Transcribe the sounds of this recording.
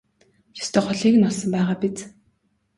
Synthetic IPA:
jɔ̥st̪ʰeːχʊɮiːkɘ̆nɔɮsɞ̆mpæːʁaːpit͡s

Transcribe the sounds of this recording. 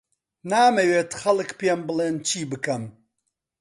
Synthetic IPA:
naːmɐweːt̪xɐlɨkpeːmbɨleːnt͡ʃʰiːbɨkɐm

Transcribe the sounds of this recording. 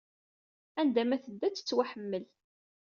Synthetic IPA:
ænd̪æmæθəd̪ːæt͡sːə̥t͡sːwæħəmːəl

